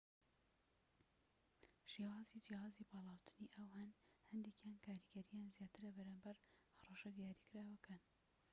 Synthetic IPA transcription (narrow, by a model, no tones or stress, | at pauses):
ʃeːwaːzid͡ʒehaːzibɑːlˠɑːwt̪ʰɨ̥niʔɐwhɐnhɐnd̪ekjaːnkʰaːɾiɡɐɾijaːnzjaːt̪ɨɾɐbɾaːmbɐɾhɐrˤɑʃɐd̪ijaːɾiːkɨɾaːwɐkan